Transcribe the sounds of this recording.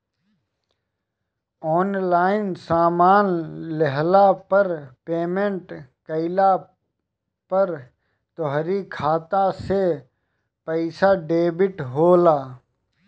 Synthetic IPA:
ɔːnlaːɪnsaːmaːnlɛɦlapəɾpeːmẽɳʈkəɪla | pəɾ | t̪ɔɦɾikʰaːt̪ase | pəɪsaɖeːbɪʈɦoːlaː

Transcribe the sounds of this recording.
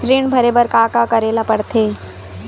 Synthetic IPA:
ɾɪɳbʱɐɾeːbəɾkaːkakɐɾeːlapɐɽt̪ʰeː

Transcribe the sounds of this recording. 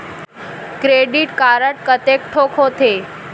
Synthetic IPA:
kɾeɖiʈkaɾəʈkət̪ek̚ʈʰokɦot̪e

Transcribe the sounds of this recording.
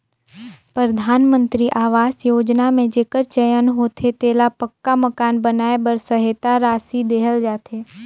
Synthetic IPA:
pɾəd̪ʱaːnmə̃nt̪ɾiʔaːʋaːsjoːd͡ʒnamẽd͡ʒeːkəɾt͡ʃəjənɦoːt̪ʰet̪eːlapəkːaməkaːnbənaːebəɾsəɦet̪aɾaːsid̪eːɦəld͡ʒaːt̪ʰeː

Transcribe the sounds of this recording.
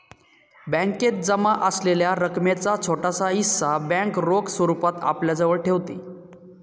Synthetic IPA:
bə̃ŋket̪̚d͡zəmaʔəsleljaɾəkmjat͡sat͡sʰoʈasaisːabɛ̃kɾoksʋəɾupat̪a̰pljad͡zəʋəɭʈʰeʋt̪ḭː

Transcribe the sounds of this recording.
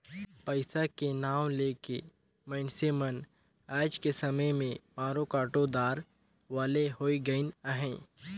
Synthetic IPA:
pəɪsakenaːwleːkḛ | mə̃ːnsemən | ɛːd͡ʒkesɐməjmẽmaːɾokaːʈod̪aːɾ | ʋaːleɦoːiɡəinəɦɛ̃ː

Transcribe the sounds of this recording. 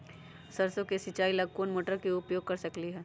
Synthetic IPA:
sɐɾsõkesɪt͡ʃaːilɐɡ̚koːnmoːʈəɾkeʊpjoːɡ̚kɐɾsɐkliɦɛː

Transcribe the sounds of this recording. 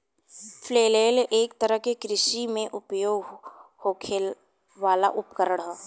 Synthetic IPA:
fʰleːleːlʔeːk̚t̪əɾəɦkekɾɪʃimẽʔʊpjoːɡhoːkʰel | ʋaːla̰ʔʊpkəɾəɽɦɛː

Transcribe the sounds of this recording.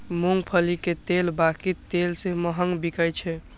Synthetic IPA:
muŋɡpʰəliket̪elbakit̪ːelseməɦəŋɡbikəjt͡ʃʰɛ

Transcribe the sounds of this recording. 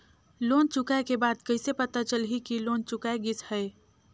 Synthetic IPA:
loːnt͡ʃʊkaekebaːd̪kəɪsepɐt̪at͡ʃəlɦikiloːnt͡ʃʊkaeɡɪshɛː

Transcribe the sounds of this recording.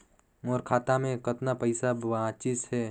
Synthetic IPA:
moːɾkʰaːt̪amẽkɐt̪napəɪsabʋãt͡ʃɪsɦɛː

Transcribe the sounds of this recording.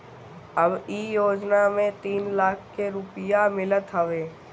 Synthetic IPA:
əbiːjoːd͡ʒnamẽt̪iːnlaːkʰːeɾʊpɪjamɪlət̪ɦəʋeː

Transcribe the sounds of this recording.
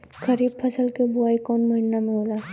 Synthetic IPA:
kəɾiːbpʰəsəlkebʊaːikɔːnməɦɪnːamẽɦoːla

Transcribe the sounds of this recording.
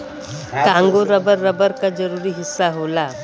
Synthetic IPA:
kãŋɡoɾəbəɾːəbəɾkad͡zəɾuɾiːɦisːaɦola

